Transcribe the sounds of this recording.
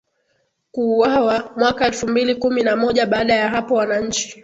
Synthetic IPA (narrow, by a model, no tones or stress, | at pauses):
kuwawamwakaɛlfumbilikuminamɔʄaɓaːɗajaɦapɔwanaɲ̩t͡ʃi̥